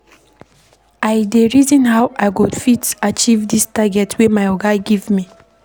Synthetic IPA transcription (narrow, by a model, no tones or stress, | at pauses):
ajdeɹizɔ̃nhawʔaɪkudfitat͡ʃivdistaɡɛtwemaɪɔɡaɡivmi